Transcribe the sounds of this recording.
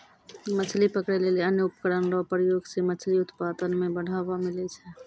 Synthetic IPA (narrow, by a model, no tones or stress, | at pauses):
mət͡ʃʰlipəkɽɛleliənjəupəkəɽənɾɔpɾəjoɡsemət͡ʃʰliʊt̪pad̪ənmebəɽ̤ʱabamilɛt͡ʃʰɛ